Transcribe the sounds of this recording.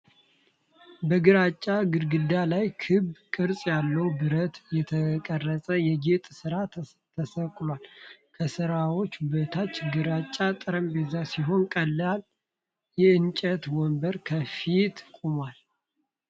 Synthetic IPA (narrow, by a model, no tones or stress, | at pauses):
bəɡɨɾat͡ʃʼːaɡɨɾɡɨd̪alajkʰɨbkʼɨɾsʼjalːəwbɨɾət̪jɛt̪ʰəkʼərːəsʼəjɛɡet̪ʼsɨɾa | t̪ʰəsəkʼlwalkʰəsɨɾawo̞t͡ʃːbət̪ʰat͡ʃːɡɨɾat͡ʃʼːat̪ʼɨɾəmbezasiɦo̞nkʼəlːal | jɛɨnt͡ʃʼət̪wɔmbəɾkʰəfit̪kʼumwal